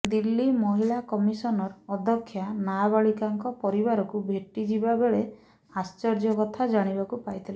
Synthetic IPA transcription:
d̪ilːimɔɦilakɔmisɔnɔɾɔd̪ʱɔkʰːjanabaɭikaŋkɔpɔɾibaɾɔkubʱeʈid͡ʒibabeɭe | ast͡ʃɔɾd͡ʒɔkɔt̪ʰad͡ʒaɽ̃ibakupajt̪ʰila

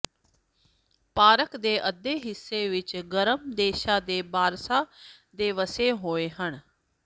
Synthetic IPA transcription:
paːɾəkd̪eːʔəd̪eːɦɪsːeːʋɪt͡ʃɡəɾəmd̪eːʃaːd̪eːbaːɾsaː | d̪eːʋəseːɦoːeːɦən

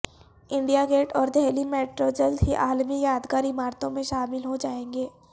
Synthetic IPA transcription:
ɪ̃ɳɖijaɡeːʈɔːɾd̪ʱɛɦlimeːʈɾod͡ʒɐld̪ɦiʔaːlmijaːd̪kaːɾimaːɾt̪õmẽʃaːmɪlɦod͡ʒaːẽːŋɡeː

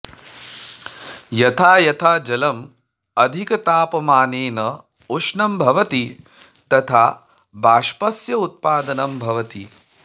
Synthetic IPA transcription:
jɐt̪ʰaːjɐt̪ʰaːd͡ʒɐlɐm | ɐd̪ʱikɐt̪aːpɐmaːneːnɐ | uʂnɐmbʱɐʋɐt̪i | t̪ɐt̪ʰaː | baːʂpɐsjɐut̪̚paːd̪ɐnɐmbʱɐʋɐt̪i

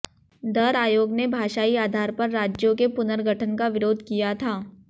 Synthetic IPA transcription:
d̪ɐɾaːjoːɡnebʱaːʃaːiaːd̪ʱaːɾpɐɾːaːd͡ʒjõkepʊnəɾɡʱəʈʰənkaʋɪɾoːd̪ʱkijat̪ʰaː

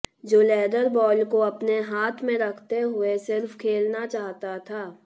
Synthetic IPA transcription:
d͡ʒoːlɛːɖəɾbɔːlkoɐpneɦaːt̪ʰmẽɾɐkʰt̪eɦʊesɪɾfkʰeːlnat͡ʃaːɦt̪at̪ʰaː

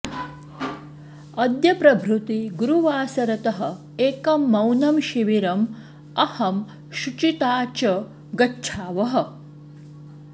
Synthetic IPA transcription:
ɐd̪jɐpɾɐbʱɾut̪iɡuɾuʋaːsɐɾɐt̪ɐɦɐ̆ | eːkɐmːɐwnɐmʃiʋiɾɐm | ɐhɐm | ʃut͡ʃit̪aːt͡ʃɐ | ɡɐt͡ʃʰaːʋɐɦɐ̆

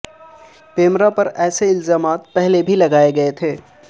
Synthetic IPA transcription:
peːmɾapɐɾɛːseɪlzaːmaːt̪̚pɛɦlebʱilɐɡaːeɡɐet̪ʰeː

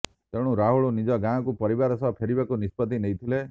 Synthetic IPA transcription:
t̪eɽ̃ũɾaɦuɭonid͡ʒɔɡãɔkupɔɾibaɾɔsɔpʰeɾibakunispɔt̪ːineit̪ʰile

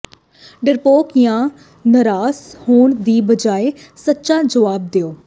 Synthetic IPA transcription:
ɖəɾpoːkjãː | nəɾaːshoːɳd̪iːbəd͡ʒaːeː | sətːʃãːd͡ʒəʋaːb̚d̪eoː

